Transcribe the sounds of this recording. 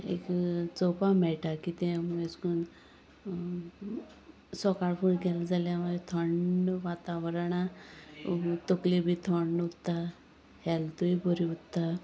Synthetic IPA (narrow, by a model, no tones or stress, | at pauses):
ḛkt͡sɔpamɛɭʈakit̪ɛ̃mueskun | sɔkaɽfuɽɡɛlad͡zaljaməet̪ʰəɳʋat̪aʋəɾaɽ̃a | t̪oklibʱit̪ʰɔɳut̪ːa | hɛlt̪uibʱəɾiut̪ːa